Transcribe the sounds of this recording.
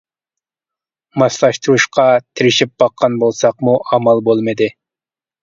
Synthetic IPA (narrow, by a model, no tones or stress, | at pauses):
mɑslˠɑʃt̪uɾuʃqʰɑt̪ʰiɾɪʃip̚b̥ɑqʰːɑnbolˠsɑqmuʔɑmɑlˠbolˠmɨd̪ɪ